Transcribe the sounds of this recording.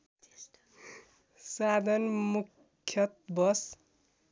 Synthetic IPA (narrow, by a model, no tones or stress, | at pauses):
sad̪ʱʌnmukʰː | jʌt̪̚bʌs